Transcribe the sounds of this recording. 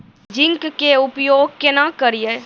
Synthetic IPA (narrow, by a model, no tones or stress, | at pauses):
d͡ʒɪ̃ŋkkeʊpjoːɡ̚kenakəɾije